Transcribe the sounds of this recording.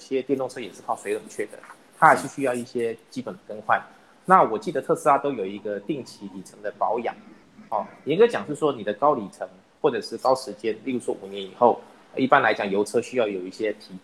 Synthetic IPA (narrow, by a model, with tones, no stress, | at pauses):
ɕjɛ˥t̪jɛ˥˧nt̪ʊ˥˧ŋʈ͡ʂʰɤ˥jɛ˨˩ʂɻ̩˥˧kʰɑ˥˩ʊswɪə˨˩m˨˦t͡ɕʰɥɛ˥˩d̪ə̰˩ | t̪ʰa˥˨˩ʂɻ̩˥˧ɕy˥jɑ˥˧ʊi˥˩ɕjɛ˥t͡ɕi˥pə˨˩nd̪ə˩kə˥nxwa˥˩n | na˥˩wɔ˨˩t͡ɕi˥˩d̪ə˩t̪ʰɤ˥˧sɹ̩˥˩a˧t̪o˥ʊjo˨˩ʊi˧˥ɡə˧t̪i˥˩ŋt͡ɕʰi˧˥li˨˩ʈ͡ʂʰɤ˧˥ŋd̪ə˧pɑ˧˥ʊjɑ̰˨˩˦ŋ | ɔ˥˩˨ŋka˥ɪt͡ɕjɑ˨˩ŋʂɻ̩˥˩ʂwɔ˥ni˨˩d̪ə˦kɑ˥ʊli˨˩ʈ͡ʂʰɤ˧˥ŋ | xwɔ˥˩ʈ͡ʂɤ˨˩ʂɻ̩˥˩kɑ˥ʊʂɻ̩˧˥t͡ɕjɛ˥nli˥˩lu˧˥ʂwɔ̰˥ʔu˨˩njɛ˧˥ni˨˩xo˥˩ʊ | i˥˩pa˥nla˧˥ɪt͡ɕjɑ˨˩ŋjo˧˥ʊʈ͡ʂʰɤ˥ɕy˥jɑ˥˩ʊjo˨˩ʊi˥˩ɕjɛ˥t̪ʰi˧˥